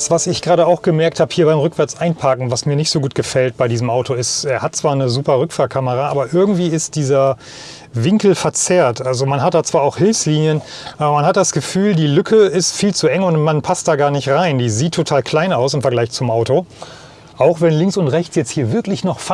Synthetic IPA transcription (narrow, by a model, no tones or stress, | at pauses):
sv̥asɪçɡ̥ʁaːɾəaʊxɡ̥əmɛɐk̚thaːbə̥hiːɐbaɪmʁʏkv̥ɛɐt͡sʔaɪnpʰaːkŋ̩vasmiːɐnɪçtz̥oːɡuːtɡ̥əfɛlt̚b̥aɪdiːzəm̩ʔaʊtʰoɪsteːɐhatt͡sv̥aːɐnəzuːpɐʁʏkfaːlkʰaməʁaʔa̰ːbɐʔɪɐɡŋ̩tv̥iːɪst̚d̥iːzɐ | vɪŋkl̩fɛɐt͡seːɐtʔalzomanɦat̚d̥aːt͡sv̥aːɐaʊxhɪlfsliːnjən | ʔaːbɐmanhɦat̚d̥asɡ̥əfyːldiːlʏkʰəɪstfiːlt͡suʔɛŋʊntmanpʰast̚d̥aːɡaːɐnɪçtʁaɪndiːziːtʰːotʰaːlkʰl̥aɪnaʊsɪmfɛɐɡlaɪçt͡sʊmʔaʊto | ʔaʊxv̥ɛnlɪŋsʊntʁɛçt͡sjɛt͡sthiːɐvɪɐklɪçnɔχf